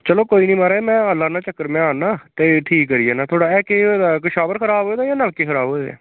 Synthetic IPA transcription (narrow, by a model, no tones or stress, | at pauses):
t͡ʃəloːkoːiːnĩːmaːɾaːɛmɛ̃ːəlːaːnaːt͡ʃəkːəɾmɛ̃ːaːnːaːt̪eːʈʰiːkːəɾiːɛːnaːt̪ʰoːɽaːɛːkeːod̪aːkəʃaːʋəɾkʰəɾaːbɦoːeːd̪aːjaːnəlkeːkʰəɾaːbɦoːed̪a̰ː